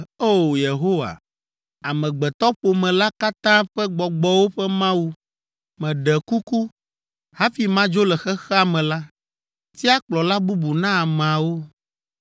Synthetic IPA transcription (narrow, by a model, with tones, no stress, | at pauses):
o˦˨je˨ɦo˦wa̰˨ | a˨mɛ̃˨ɡ͡bɛ˨t̪ɔ˦ɸo˨mɛ̃˨la˦ka˦t̪ã˦ɸɛ˦ɡ͡bɔ˨ɡ͡bɔ˨wo˦ɸɛ˦mã˦wu˦ | mɛ̃˨ɖɛ˨ku˦ku˦ | ha˦fi˨mã˦d͡ʒo˦lɛ˨xɛ˦xɛ˦a˨mɛ̃˨la˦ | t̪i˦a˦k͡plɔ˨la˦bu˦bu˨nã˦a˨m˨a˨wo˦